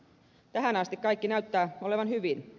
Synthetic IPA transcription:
t̪æɦænɑst̪ikkɑikːinæyt̪ːæːo̞le̞ʋɑnhyʋin

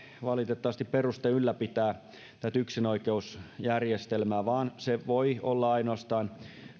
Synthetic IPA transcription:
ʋɑlit̪et̪ːɑʋɑst̪ipperust̪eylːæpit̪æː | t̪æt̪yksinoikeusjærjest̪elmæːʋɑːnseʋoiolːɑɑinoɑst̪ɑːn

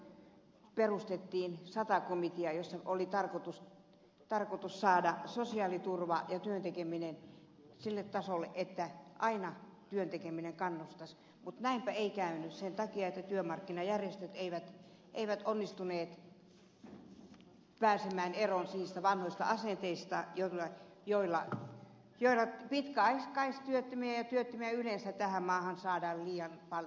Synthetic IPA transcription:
perust̪et̪ːiːnsɑt̪ɑkomit̪iɑjosːɑolit̪ɑrkot̪us | t̪ɑrkot̪ussɑːdɑsosiɑlit̪urʋɑjɑt̪yønt̪ekeminen | silːet̪t̪ːɑsolːeʔʔet̪ːæʔɑinɑt̪yønt̪ekemineŋkɑnːust̪ɑs | mut̪næimpæeikæynyssent̪ɑkiɑet̪ːæt̪yømɑrkːinɑjærjest̪øt̪eiʋæt̪ | ʔeiʋæt̪onːist̪uneːt̪ | pæːsemæːneronsiːst̪æʋɑnhoist̪ɑ̰ɑsent̪eist̪ɑjolːɑ | joilːɑ | joilːɑpit̪kæɑiskɑist̪yøt̪ːømiæjɑt̪yøt̪ːømiæylensæt̪æhæmmɑːhɑnsɑːdɑːlliːɑnpɑl

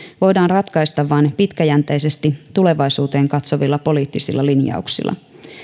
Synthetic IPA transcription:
ʋo̞jdɑːnrɑt̪kɑjst̪ɑʋʋɑːnpit̪kæjænt̪ejse̞st̪it̪ule̞ʋɑjsuːt̪e̞ːŋkɑt̪soʋilːɑpo̞liːt̪ːisilːɑlinjɑ̰uksḭlːʔɑ̰

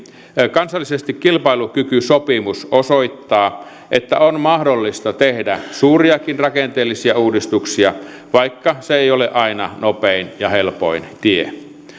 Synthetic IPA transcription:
kɑnsɑlːisest̪ikkilpɑilukykysopimusosoit̪ːɑː | ʔet̪ːæonmɑhdolːist̪ɑt̪ehdæsuːriɑkinrɑkent̪eːlːisiæuːdist̪uksiɑ | ʋɑikːɑseejoleʔɑinɑnopeinjɑhelpo̰int̪iḛ

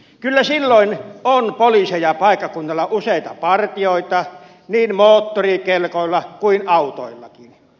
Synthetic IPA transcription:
kylːæsilːoinonpolisejɑpɑˑekːɑkunːɑlːɑʔuseit̪ɑpɑrt̪ioˑit̪ɑ | niːnmoːt̪ːorikelkoilːɑkuinɑut̪o̰ilːɑ̰kin

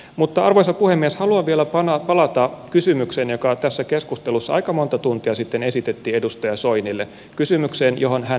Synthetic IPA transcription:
mut̪ːɑɑrʋojsɑpuhemːieshɑluɑʋielæɑnɑpɑlɑt̪ɑkysymyksenjo̞kɑt̪æsːækeskust̪elusːɑɑ̰jkɑmo̞nt̪ɑt̪unt̪iɑsit̪ːene̞sit̪et̪ːiːe̞dust̪ɑjɑsoinilːe | kysymykseːnjoɦonɦæ

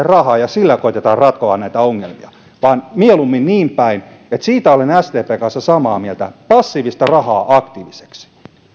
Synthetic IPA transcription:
errɑhɑːjɑsilːækoit̪et̪ɑːrrɑt̪koɑnnæit̪æoŋːelmiɑ | ʋɑːnmielumːinniːmpæin | et̪siːt̪æolenæst̪eːpeːkɑnsːɑsɑmɑːmielt̪æpɑsːiːʋist̪ɑrɑhɑːʔɑkt̪iːʋise̥ksi̥

